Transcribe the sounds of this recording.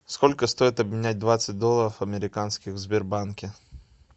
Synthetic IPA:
sko̞lʲkəst̪o̞jɪt̪ɐbmʲɪnʲæt̚ʲd̪vat̪sɨt̚ʲd̪o̞lˠəɾəfɐmʲɪɾʲɪkanskʲɪxzbʲɪrbankʲɪ

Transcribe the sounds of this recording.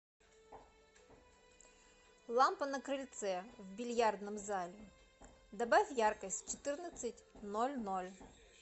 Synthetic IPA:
lˠɑmpɐnɐkɾɪlʲt̪sɛwbʲilʲjɑrd̪nɔmzɑlʲi | d̪ɐbɛwjɑrkɐsʲtʲt͡ʃɔt̪ɪrnɐt͡sʲːɐtʲnɔlʲnɔlʲ

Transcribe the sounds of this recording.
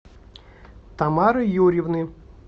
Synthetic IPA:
t̪ɐmaɾɨjuɾʲiwnɨ

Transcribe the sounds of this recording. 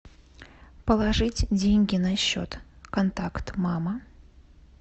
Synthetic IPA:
pəlˠɐʐɨtʲdʲenʲɡʲɪnɐɕːo̰t̪kɐnt̪akt̪mamə

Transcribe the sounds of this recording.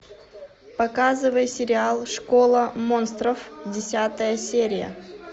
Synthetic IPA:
pɐkazɨvəjsʲɪɾʲɪalˠʂkolˠəmonst̪ɾəfdʲɪsʲat̪əjəsʲeɾʲɪjə̰

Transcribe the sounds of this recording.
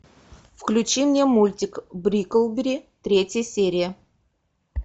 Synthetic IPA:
fklʲʉt͡ɕimnʲemulʲtʲɪkbɾʲikəlˠbʲɪɾʲit̪ɾʲetʲjəsʲeɾʲɪjə

